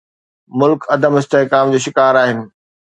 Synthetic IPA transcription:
mʊlkɐd̪əmɪst̪eɦkaːmd͡ʑoːʃɪkaːɾaːɦɪnɪ̆

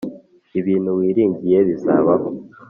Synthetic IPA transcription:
iβiːn̤uwiːɾiːɲɟije̞βiza̰ːβaɦo

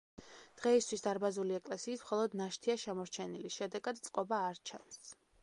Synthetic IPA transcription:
d̪̥ʁɛist̪ʰwisd̪aɾbazuliɛkʼlɛsiːsmχɔlˠɔd̪naʃt̪ʰiaʃɛmɔɾt͡ʃʰɛniliʃɛd̪ɛɡad̪̚t̪sʼqʼɔbaːɾt͡ʃʰa̰ns

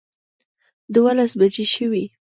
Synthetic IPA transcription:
d̪walasbad͡ʒeʃəwi

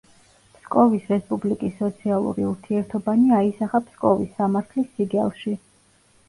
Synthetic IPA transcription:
pskʼɔvisɾɛspʼublikʼisːɔt̪sʰialˠṵɾḭuɾt̪ʰiɛɾt̪ʰɔbaniaisaχapʰskʼɔvisːamaɾt̪ʰlisiɡɛlˠʃi

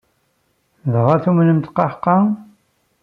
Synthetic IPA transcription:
ðʁɑθumnəmt̪qɑħqːɑ

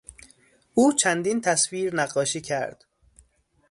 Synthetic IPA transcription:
ʔuːt͡ʃʰænd̪iːnt̪ʰæsviːɾnæɢːɒːʃiːcʰæɾd̪̥

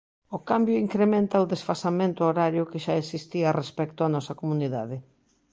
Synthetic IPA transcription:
ʊkambjʊiŋkɾemẽnt̪ɐʊðesfasamẽnt̪ʊoɾaɾjʊkɪʃaesist̪iarespɛkt̪ʊanɔsɐkomuniðaðɪ

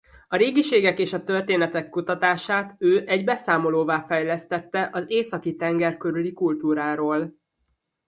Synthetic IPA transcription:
ɒɾeːɡiʃeːɡɛkeːʃɒt̪ø̞rt̪eːnɛt̪ɛkːut̪ɒt̪aːʃaːt̪øːʔɛɟbɛsaːmo̞loːvaːfɛjlɛst̪ɛt̪ːɛʔɒzeːsɒkit̪ɛŋɡɛrkø̞ɾylikult̪uːɾaːɾoːl

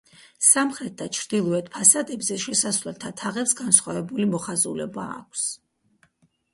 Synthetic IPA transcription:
samχɾɛt̪̚d̪at͡ʃʰɾd̪̥ilˠɔɛt̪ʰpʰasad̪ɛbzɛʃɛsasvlɛlt̪ʰat̪ʰaʁɛpsɡansχwavɛbulimɔχazṵlɛ̰ba̰ːkʷʰs

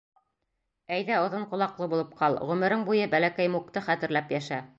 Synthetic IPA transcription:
æjðæŏðɤɴqŏlˠɑqlˠɤbulˠɤp̚qʰɑlˠʁʉmɘ̆ɾɘŋbujɤbælækæjmuk̚t̪ɤχæt̪ɘ̆ɾlæpjæʃæ

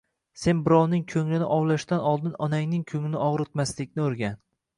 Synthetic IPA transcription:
se̞nbɪɾɒwnɪŋkʲʰɵŋlɪnɪʔɒwlaʃt̪anɒlˠd̪ɪnɒnaŋnɪŋkʲʰɵŋɪnɪɒʁɾɪt̪maslɪkʲnɪɵɾɡʲan

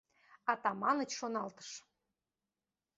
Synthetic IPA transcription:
ɑt̪ɑmɑnə̆t͡ɕʃonɑlt̪ə̥ʃ

